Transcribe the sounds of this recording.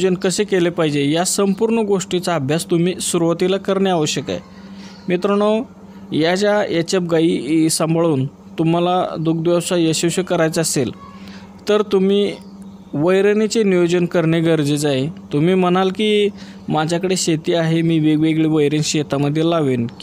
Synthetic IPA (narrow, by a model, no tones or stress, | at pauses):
d͡ʑənkəsekelepaɦid͡ʑejasəmpuɾɳəɡoʂʈit͡saːbʱjast̪um̤iːsuɾuʋat̪ilakəɾɳeaʋəɕjəka̰j | mit̪ɾəɳo | jad͡ʑjajat͡ɕab̚ɡaisəmbɭuːn | t̪um̤alad̪uk̚d̪ʋawsajəɕiwɕəkəɾajt͡səsel | t̪əɾt̪um̤iː | ʋəjɾənit͡senijod͡ʑənkəɾɳeɡəɾd͡zed͡zaɦet̪um̤iːmənalkiː | mad͡ʑʱjakəɽeɕet̪iːaɦemiːʋeɡʋeɡɭiʋəjɾenɕet̪ʰaməd̪ʱːjelaʋin